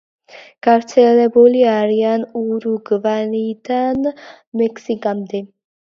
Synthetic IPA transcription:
ɡ̥aɾt̪sʰɛlɛbuliaɾianuɾuɡvanid̪an | mɛkʰsikʼamd̪ɛ

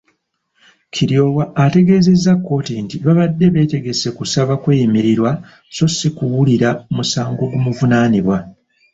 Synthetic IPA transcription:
cʰiɾjo̞ːwaːte̞ɡe̞ːze̞zːakːo̞ːtintiβaβadːe̞βe̞ːte̞ɡe̞se̞kusaβakweːjimiɾiɾwa | so̞sikuwuliɾaomusaːŋɡo̞ɡumuvunaːniβwa

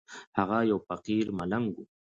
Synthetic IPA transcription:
hɑɣɑjawpɑqiɾmalaŋɡʊ

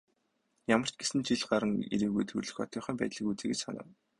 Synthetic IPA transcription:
jamə̆r̥t͡ɕɡesɘ̆nt͡ɕiɮɢaɾə̆ŋḭɾiːɣujt̪ʰurɮɘ̥̆xɔ̰t̪ʰœːχœːmpæːt̪ɮə̆kut͡seːɡĕt͡ɕsa̰nʊ̰ːw

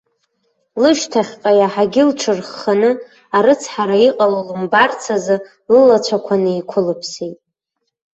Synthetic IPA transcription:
lɨʃtʰaχʲqʼajaħaɡʲɪlʈ͡ʂʰɨrχːanɨ | aɾɨt͡sʰħaɾaiqʼalolɨmbart͡sʰazɨ | lɨlat͡ʃʷʰakʷʰanɨikʷʰʊlɨpʰsejtʼ

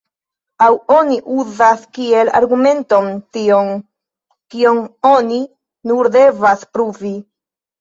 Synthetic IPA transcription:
awo̞niʔuzaskie̞la̰ɾɡume̞nto̞ntion | kio̞ŋo̞ni | nuɾde̞vaspɾuvi

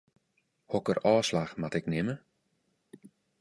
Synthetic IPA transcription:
hɔkərʔɔːslaxmatɪknɪmə

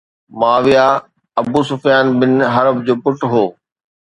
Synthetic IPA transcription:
maːʋijaː | ɐbuːsʊfijaːnbɪnɦɐɾəbd͡ʑoːpʊʈɦoː

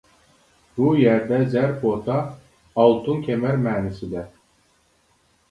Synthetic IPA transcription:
bujæɾd̪ɛzæɾpʰot̪ʰɑː | lˠt̪ʰunkʲʰemæɾmæːnisid̪ɛ

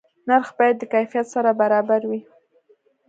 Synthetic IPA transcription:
naɾxbɑjad̪ːəkajfijat̪saɾabaɾɑbaɾwi

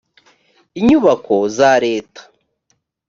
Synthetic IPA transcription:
iɲuβako̞zaɾe̞ːtḁ

